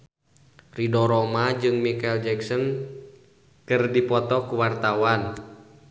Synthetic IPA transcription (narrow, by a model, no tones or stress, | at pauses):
ridɔɾɔmad͡ʒɨŋmikaɛld͡ʒɛksɔn | kɨrdipɔt̪ɔkuwart̪awan